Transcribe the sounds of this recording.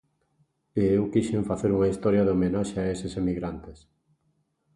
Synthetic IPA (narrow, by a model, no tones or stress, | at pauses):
eewkiʃeɱfaθeɾuŋaist̪ɔɾjɐðomenaʃeaesesemiɣɾant̪es